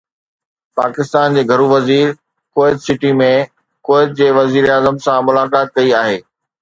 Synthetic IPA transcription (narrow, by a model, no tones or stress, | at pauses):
paːkɪst̪aːnd͡ʑeːɡʱɐɾuʋɐziːɾ | koːɪt̪sɪʈimẽ | koːɪt̪̚d͡ʑeːʋɐziːɾaːzəmsãmʊlaːkaːt̪̚kɐiaːɦeː